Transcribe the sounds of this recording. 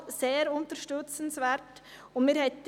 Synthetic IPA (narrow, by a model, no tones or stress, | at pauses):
seːɾʊnt̪əɾʃtʏt͡sən̩svɛɾt | ʊnmiːɾhɛt̪